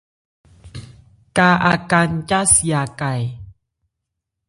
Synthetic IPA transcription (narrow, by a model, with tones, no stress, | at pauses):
ka˧ʔa˧ka˧nt͡ʃa˦si˨ja˧˨ka˨j